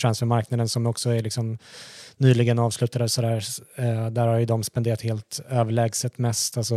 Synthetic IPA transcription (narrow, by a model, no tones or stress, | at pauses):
t̪ʰɾansfœɾmaɾknad̪ənsɔmɔksɔæɾɭɪksɔmnyːlɪɡənɑːvslʉ̟ːt̪ad̪əsɔd̪æːɾ | d̪æːɾhaɾjɵd̪ɔmspɛnd̪eːɾat̪heːlt̪øːvəɭɛːɡsət̪mɛst̪alsɔ